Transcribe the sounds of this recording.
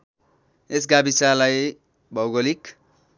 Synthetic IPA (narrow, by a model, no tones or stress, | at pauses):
esɡabisalaj | bʱʌwɡolik